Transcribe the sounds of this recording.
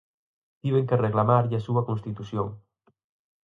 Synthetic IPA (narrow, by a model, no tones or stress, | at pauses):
t̪iβ̞eŋkereɣlamaɾʎasuɐkõnst̪it̪usjoŋ